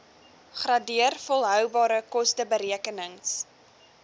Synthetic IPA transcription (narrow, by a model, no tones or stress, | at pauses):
χrɐdiərfɔlˠɦœwbɑːɾəkɔstəbəɾiəkənəŋs